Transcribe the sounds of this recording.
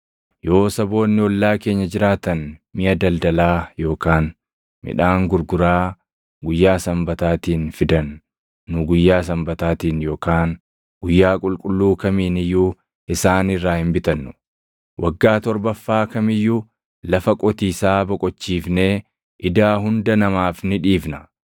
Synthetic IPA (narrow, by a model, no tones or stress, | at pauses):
jo̞ːsɐbo̞ːnːɪwɔlːaːke̞ːɲːɐd͡ʒɪɾaːt̪ɐnmɪjɐd̪ɐld̪ɐlaːjo̞ːkaːn | mɪ̰ᶑaːŋɡʊɾɡʊɾaː | ɡʊjːaːsɐmbɐt̪aːt̪iːnfɪd̪ɐnː | ʊɡʊjːaːs̬ɐmbɐt̪aːt̪iːnjo̞ːkaːn | ɡ̥ʊjːaːkʼʊlkʼʊlːuːkɐmiːnɪjːuː | ʔɪsaːnɪrːaːhɪmbɪt̪ɐnːʊ̥ | wʔɐɡːaːt̪ɔɾbɐfːaːkɐmɪjːʊ | lɐfɐkʼɔt̪iːsaːbɔkʼɔt͡ʃːiːfne̞ː | ʔɪd̪aːɦʊnd̪ɐnɐmaːfnɪᶑiːfnɐ̥